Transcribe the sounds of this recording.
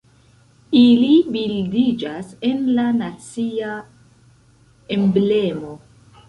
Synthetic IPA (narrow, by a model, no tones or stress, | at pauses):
ilibildid͡ʒase̞nlanat͡sia | emble̞mo̞